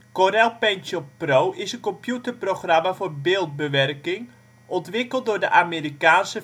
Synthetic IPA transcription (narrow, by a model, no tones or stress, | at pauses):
koɾɛlˠpɛntɔprowʔɪsənkɔmpjutərproxramafoːrbɪːlˠt̚bəʋɛrkɪŋ | ʔɔntʋɪkəlˠt̚dʊːdəʔameːɾikaːnsə